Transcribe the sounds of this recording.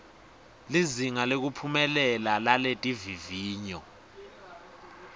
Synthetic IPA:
liziŋalek̬upʰumɛlɛlalaletʼiviviːɲɔ

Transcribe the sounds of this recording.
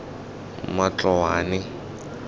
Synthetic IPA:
mat͡ɬɔwaːnɪ

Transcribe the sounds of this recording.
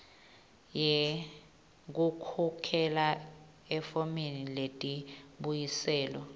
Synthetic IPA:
jɛ | k̬ukʰɔkʰɛla | ɛfɔmeniletʼiɓujisɛːlɔ

